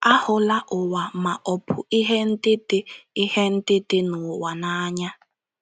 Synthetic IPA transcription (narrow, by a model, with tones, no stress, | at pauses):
a˦hʊ˨la˦ʔʊ˨wa˨ma˨ʔɔ˨pʰʊ˨i˦ɦɛ˦n̩˦tʼe˦tʼeː˦hɛ˦n̩˦tʼe˦tʼe˦nu˨wa˨naː˦ɲa˦